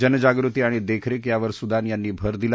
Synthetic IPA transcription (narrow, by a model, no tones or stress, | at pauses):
ənəd͡ʑaɡɾut̪iːaɽ̃id̪ekʰɾekjaʋəɾsud̪ʱanjanːiːbʱəɾd̪il